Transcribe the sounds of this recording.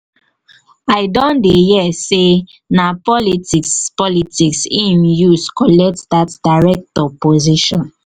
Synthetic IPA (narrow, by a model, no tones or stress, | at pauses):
aɪdɔ̃ndejɛse | napɔlitikspɔlitiksĩmjuskɔlɛk̚tdatdaɹɛk̚tɔpoziʃɔ̃n